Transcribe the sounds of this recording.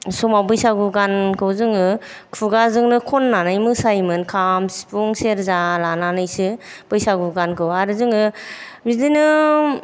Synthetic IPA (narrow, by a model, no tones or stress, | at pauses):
sɔmawbɯjsaɡuɡankʰɯwzɯŋɯ | kʰuɡazɯŋnɯkʰɔnːanajmɯsajmɯnkʰamspuŋseɾzalananɯjsɯ | b̥ɯjsaɡuɡankʰɯwaɾɯzɯŋɯ | bidinɯ